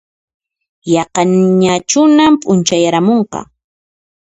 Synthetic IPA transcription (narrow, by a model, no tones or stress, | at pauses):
jɑqɑnɲat͡ʃʊnampʼʊnt͡ʃajaɾamoɴqɑ̰